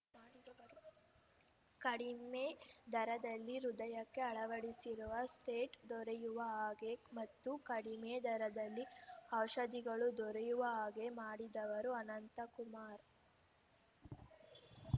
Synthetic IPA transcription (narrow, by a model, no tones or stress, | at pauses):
kɐɽimed̪ʱɐɾɐd̪ɐlːiɾud̪ɐjɐkːe̞ɐɭɐʋɐɽisiɾuʋɐsʈeːʈd̪ɔɾejuʋɐaːɡe̞mɐt̪ːukɐɽimed̪ʱɐɾɐd̪ɐlːiɐwʃɐd̪iɡɐɭud̪ɔɾejuʋɐaːɡe̞maːɽid̪ɐʋɐɾuɐnɐnt̪ɐkumaːɾ